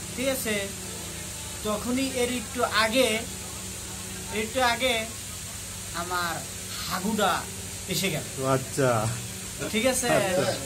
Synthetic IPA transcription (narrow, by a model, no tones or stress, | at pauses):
tʰikasʰe | tɔkʰoniʔeɾik̚ʈːoʔaɡe | eikʈːoaɡe | amaɾ | haɡuɖa | eʃeɡɛlɔatːʃʰa | tʰikasʰe